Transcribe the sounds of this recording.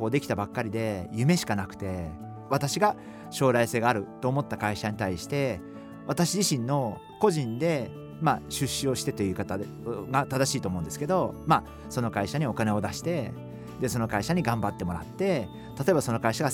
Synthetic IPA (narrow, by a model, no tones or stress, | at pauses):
oːd̪e̞kʲi̥t̪abakːaɾʲid̪e̞jɯ̟me̞ɕi̥kanakɯ̟̥t̪e̞ | βat̪aɕiɡa | ɕo̞ːɾaise̞ːɡaːɾɯ̟t̪o̞ːmo̞t̪ːakaiɕaɲ̟it̪aiɕi̥t̪e̞ | βat̪aɕiʑiɕĩnːo̞ | ko̞ʑĩnd̪e̞ | maɕɨɕːɨo̞ɕi̥t̪e̞t̪e̞iɯ̟ːkat̪a | ɡat̪ad̪aɕiːt̪omo̞ɯ̟nd̪e̞sɨ̥ke̞d̪o̞ma | so̞no̞kaiɕaɲ̟io̞kane̞o̞d̪aɕi̥t̪e̞ | d̪e̞so̞no̞kaiɕaɲ̟iɡãmbat̪ːe̞mo̞ɾa̰t̪ːe̞ | t̪at̪o̞e̞baso̞no̞kaiɕaɡa